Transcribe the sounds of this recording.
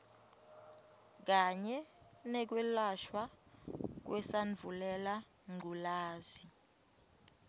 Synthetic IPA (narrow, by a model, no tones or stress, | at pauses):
k̬aɲɛ | nɛk̬wɛlaʃwa | k̬wɛsaɱvʱulɛla | ŋʱulaːzi